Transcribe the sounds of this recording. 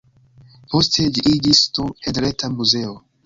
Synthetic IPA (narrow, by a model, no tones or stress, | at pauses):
po̞stʰed͡ʒiʔid͡ʒistoedɾetʰamuze̞o